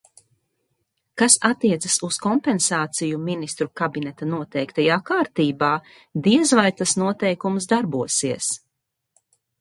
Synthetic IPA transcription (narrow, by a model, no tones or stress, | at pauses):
kasat̪ːiɛt̪sɐsuskɔmpɛnsaːt̪sijuminist̪ɾukabinɛt̪anuɔt̪ɛjkt̪ajaːkaːɾt̪iːbaː | d̪iɛzvajt̪asnuɔt̪ɛjkumsd̪aɾbuɔsiɛəs